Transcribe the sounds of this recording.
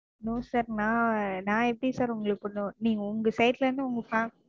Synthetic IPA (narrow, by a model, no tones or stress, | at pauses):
nõːsaːɾnãːnãːɛpːɽisaːɾʊŋɡɐɭɯkːpɔɳːõːniːŋɡɐʊŋɡɐsɐɪʈlɐɾɐnd̪ɯʊŋɡɐfaː